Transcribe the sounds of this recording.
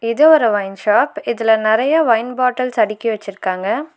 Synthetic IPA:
ɪðɯɔɾɯʋɐɪnʃaːpɪðɪlɐnɪɾɐjɐʋɐɪnbaːʈːɐlsɐɽɪkːiʋɐt͡ʃːɪɾɯkːaːŋɡɐ

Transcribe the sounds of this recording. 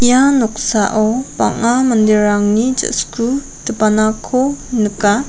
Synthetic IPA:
janɔk̚saʔɔpa̰ŋamandeɾaŋnid͡ʒə̰sku | təpanakʰɔnəka

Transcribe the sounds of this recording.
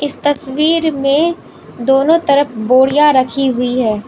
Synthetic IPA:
ɪst̪ɐswiːɾmẽ | d̪oːnõt̪ɐɾəfboːɽijaɾɐkʰiɦʊiɦɛː

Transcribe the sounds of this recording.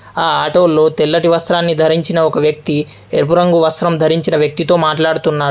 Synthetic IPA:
aːaːʈoːlːo̞ːt̪ɛlːɐʈiʋɐst̪ɾaːnːid̪ʱɐɾiɲt͡ʃinɐɔkɐʋjɐk̚t̪i | eɾpuɾɐŋɡuʋɐst̪ɾɐmd̪ʱɐɾiɲt͡ʃinɐʋjɐk̚t̪it̪o̞ːmaːʈlaːɽut̪unːaː

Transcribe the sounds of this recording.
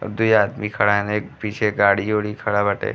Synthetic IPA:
ɔ̰ɾd̪uiaːd̪mikʰɐɽaɛneːk̚piːt͡ʃʰeɡaːɽioːɽikʰɐɽabɐʈḛː

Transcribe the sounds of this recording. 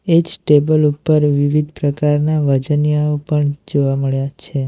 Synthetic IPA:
ed͡ʒsʈebəlupːəɾʋiʋid̪ʱpɾəkaɾnaʋəd͡ʒənjaopəɳd͡ʒoʋaməɭjat͡ʃʰe

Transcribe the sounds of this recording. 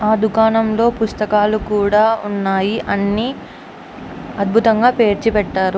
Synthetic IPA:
aːd̪ukaːnɐmlo̞ːpust̪ɐkaːlukuːɽaːunːaːjiʔɐnːi | ɐd̪̚bʱut̪ɐŋɡaːpe̞ːɾt͡ʃipɛʈːaːɾu

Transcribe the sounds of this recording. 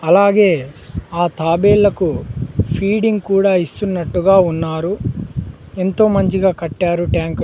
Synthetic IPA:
ɐlaːɡe̞ːaːt̪aːbeːlːɐkupʰiːɽiŋɡkuːɽaːist̪unːɐʈːuɡaːunːaːɾu | e̞nt̪o̞ːmɐɲt͡ʃiɡaːkɐʈːaːɾuʈjaːŋk

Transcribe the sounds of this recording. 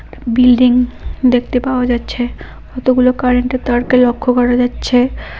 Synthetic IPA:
bilɖiŋd̪ek̚ʰt̪epaoad͡ʑatːɕʰe | ɡɔt̪oɡulokaɾeɳʈet̪aɾkelokʰːokɔɾad͡ʑatːɕʰe

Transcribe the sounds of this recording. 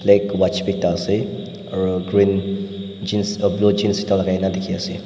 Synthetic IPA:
lajkwat͡ʃbik̚t̪aəse | əɹəɡɹĩn | d͡ʒinsəblod͡ʒinsit̪ãlaɡajnãdekʰiase

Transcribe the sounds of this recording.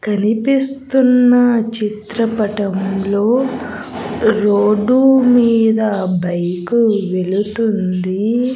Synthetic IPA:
kɐnipist̪unːɐt͡ʃit̪ɾɐpɐʈɐmlo̞ː | ɾoːɖumiːd̪ɐbɐjkuʋeɭut̪und̪i

